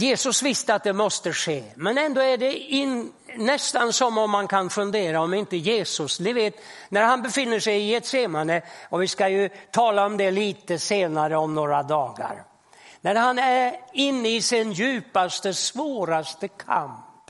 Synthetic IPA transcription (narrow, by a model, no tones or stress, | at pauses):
jeːsɵsvɪst̪əat̪̚d̪ɛmɔst̪əʂeːmɛnɛnd̪oːæɖɛɪnː | ɛst̪ansɔmɔmːankʰanfɵnd̪eːɾaɔmɪnt̪əjeːsɵsd̪ɪveːt̪ | næɾɦanbɛfɪnːəʂɛjɪɛt̪seːmaɳəɔvɪskajɵt̪ʰɑːlaɔmd̪ɛliːt̪əseːnaɾəɔmnoːɾad̪ɑːɡa̰ɾ | næɾɦanæɾɪnːəɪsɪnjʉ̟ːpast̪əsvoːɾast̪əkʰa̰mp